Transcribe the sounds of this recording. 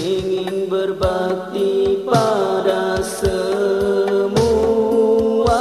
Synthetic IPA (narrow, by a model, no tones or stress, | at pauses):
iŋɪŋbərbak̚t̪ipadasə | mu | a